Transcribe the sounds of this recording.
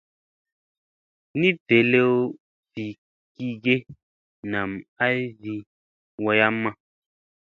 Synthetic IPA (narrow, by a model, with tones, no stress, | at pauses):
ni˦te˨le˦o˦ | si˨ | ki˦ɡe˦ | na˨ma˦zi˦ | wa˧ja˦mːã˦